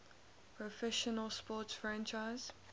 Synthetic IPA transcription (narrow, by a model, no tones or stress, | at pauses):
pʰɹɔfɛʃənəlspɔˑtsfɹæ̃nt͡ʃaɪz̥